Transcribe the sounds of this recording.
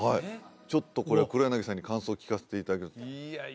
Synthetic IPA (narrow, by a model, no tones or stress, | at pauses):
hai | t͡ɕo̞t̪ːo̞ko̞ɾe̞akɯ̟ɾojanaɡesãɲ̟ːikãɰ̃so̞ːkʲi̥kase̞̥t̪e̞it̪ad̪ake